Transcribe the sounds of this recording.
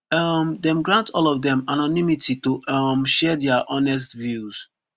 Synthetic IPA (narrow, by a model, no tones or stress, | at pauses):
ʌmdɛ̃mɡɹãntʰɔlɔvdɛ̃manɔnimititumʃɛdɛaʔɔnɛs̬tvjuz̥